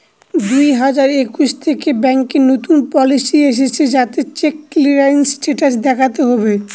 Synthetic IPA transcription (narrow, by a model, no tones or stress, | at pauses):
d̪ujɦad͡ʑaɾekuʃt̪ʰekebɛŋkenot̪unpɔlisieʃ̬et͡ɕʰed͡ʑat̪et͡ɕekːliɾainsʈeʈas̬d̪ɛkʰat̪eɦɔbe